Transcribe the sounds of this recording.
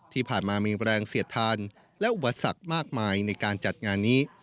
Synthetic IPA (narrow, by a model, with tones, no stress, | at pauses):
t̪ʰiː˥˩pʰaː˨˩nmaː˧miː˧ɾɛː˧ŋsi˨˩˦ət̪ʰːaː˧n | lɛ˦˥ʔu˨˩pːa˧sa̰˨˩k̚maː˥˩k̚maː˧jna˧jkaː˧nt͡ɕa˨˩t̪̚ŋaː˧nːiː˦˥